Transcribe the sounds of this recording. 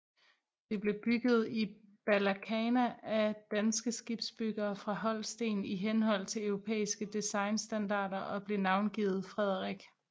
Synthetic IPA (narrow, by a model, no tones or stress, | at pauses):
d̥e̝b̥le̝b̥yɡ̥ð̞̩ˠib̥ælækʰɛːnæʔæd̥ænsɡ̥əsɡ̥ib̥sb̥yɡ̥ɐːfʁɑ̈ɦɒ̽l̰sd̥e̝̰ːniɦenhɒ̽l̰t͡sʰe̝lœʊʁo̝pʰḛːisɡ̥əd̥isɑ̈ɪnsd̥ænd̥ɑ̰̈ːdɐʔɒ̽b̥le̝nɑ̈ʊnɡ̥ḭːð̞̩ˠfʁɛð̞̰ˠɐʁiɡ̥